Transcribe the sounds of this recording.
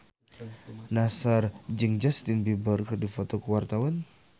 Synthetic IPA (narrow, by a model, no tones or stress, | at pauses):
nasard͡ʒəŋd͡ʒast̪inbibərkrdifot̪ɔkuwart̪awan